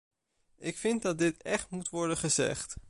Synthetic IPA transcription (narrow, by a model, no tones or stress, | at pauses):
ɪkfɪntdɑd̚dɪtɛχtmutʋɔɹdənχəzɛ̰χt